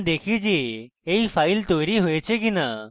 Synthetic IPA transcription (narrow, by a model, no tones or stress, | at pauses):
d̪ekʰid͡ʒieipʰajlt̪ojɾiɦojet͡ʃʰek̬ina